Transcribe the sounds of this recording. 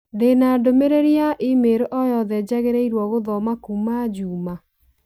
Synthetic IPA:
denaːdomeɾeɾiaʔimeɾoʔɔjɔðɛd͡ʑaɣeɾeiɾwɔɣoðɔmakumad͡ʒuːma

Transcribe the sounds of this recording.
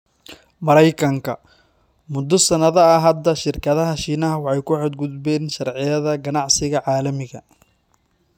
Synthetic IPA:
mɐɾɛjkʰɐŋkʰɐ | mʊd̪ɔsɐnɐðɐɐɦɐd̪ːɐʃɪrkʰɐðɐɦɐʃiːnɐɦɐwɑħɑjkʰʊħɔd̪̚ɡʊd̪bɛːnʃɐrʕɪjɐðɐɡɐnɑʕsɪɣɐʕɑːlɐmɪɣɐ

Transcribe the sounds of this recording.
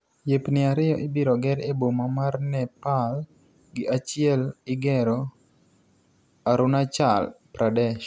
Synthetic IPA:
jepnɪaɾɪjɔʔɪbiɾɔɡɛɾebomamarnɛpal | ɡɪʔat͡ʃɪɛlɪɡɛɾo | aɾʊnat͡ʃalpɾʔadɛʃ

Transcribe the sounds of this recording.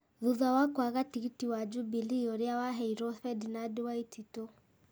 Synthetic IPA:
ðuðawakwaɣatiɣitiwad͡ʒubiliɔɾjawaɦɛiɾɔfɛdinadwaititɔ

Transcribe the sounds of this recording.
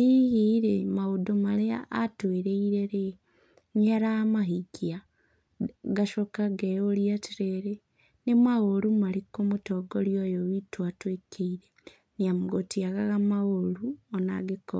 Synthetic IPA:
iɣiɾemaɣodomaleatweɾeiɾeɾe | ɲaɾamaɦikia | ɡaʃokaɡeolijatiɾeɾe | nemaɣoɾumalikomutoɡoljojoβitwatwekʰeiɾe | niamuɡotiaɣaɣamaɣoɾuona̰ɡiko

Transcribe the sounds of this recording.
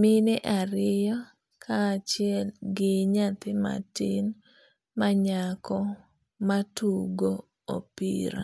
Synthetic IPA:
mɪnɪʔaɾɪjɔ | kʰaːt͡ʃɪɛlɡɪɲat̪ɪma̰tɪn | maɲakɔ | matuɡo | o̰pḭɾa̰

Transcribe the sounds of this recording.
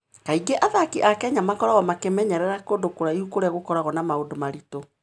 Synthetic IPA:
kaiɡeʔaðakiʔakɛɲamakɔɾaɣɔmakemɛɲɛɾɛɾakodokoɾaihukoɾeaɣokɔɾaɣɔnamaodomaɾito

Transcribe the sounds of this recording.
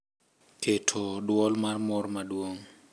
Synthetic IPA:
kʰetʰodwɔlmarmɔɾmadwoŋ

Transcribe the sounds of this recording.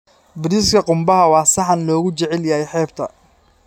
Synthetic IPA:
bɪɾɪskʰɐqʊmbɐɦɐwɑːsɑħɑnlɔːɣʊt͡ʃɛʕɛljɐhɛjħɛːbt̪ʰɐ

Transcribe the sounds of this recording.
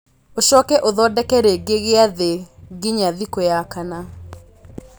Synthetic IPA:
oʃɔkɛʔoðɔdɛkɛɾeɡeɣeaðeɡiɲaðikojakana

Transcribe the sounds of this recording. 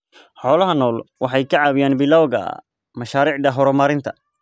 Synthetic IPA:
ħɔːlɐɦɐnɔːlwɑħɑjkʰɐʕɑːβɪjaːnbɪlɔwɣɐ̰ | mɐʃaːɾiːʕd̪ɐɦɔɾɔmaːɾɪnt̪ʰɐ

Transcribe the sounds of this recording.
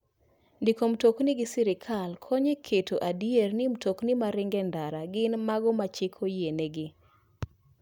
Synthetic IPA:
ndikomtoknɪɡɪsiɾɪkʰalkʰɔɲekʰetʰoʔadjernimtoknɪmaɾɪŋɡɛndaɾaɡɪnmaɡɔmat͡ʃekʰojeneɡɪ

